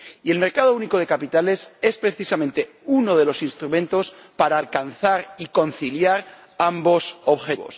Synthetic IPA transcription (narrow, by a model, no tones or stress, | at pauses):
ie̞lme̞ɾkað̞ouniko̞ð̞e̞kapit̪ale̞se̞spɾe̞θisamẽnt̪e̞ | uno̞ð̞e̞lo̞sinst̪ɾumẽ̞nt̪o̞spaɾaːlkanθaɾiko̞n̟θiljaɾ | ambo̞so̞βxeβo̞̰s